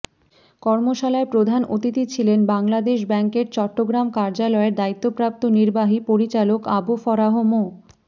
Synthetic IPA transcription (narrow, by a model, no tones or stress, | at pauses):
kɔɾmoʃalaepɾod̪ʱanot̪it̪it͡ɕʰilenbaŋlad̪eʃ̬bɛŋkeɾt͡ɕɔʈːoɡɾamkaɾd͡ʑalɔeɾd̪ait̪ːopɾap̚t̪oniɾbaɦipoɾit͡ɕalokabufɔɾaɦomo